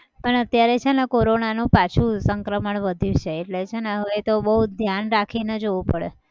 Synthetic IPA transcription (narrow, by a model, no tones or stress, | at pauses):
pəɳət̪jaɾet͡ʃʰenekoɾonanũpat͡ʃʰũsəŋkɾəməɳʋəd̪ʱjũt͡ʃʰeːʈlet͡ʃʰeneɦəʋet̪oɓəɦud̪ʱjanɾakʰined͡ʒoʋũpəɽe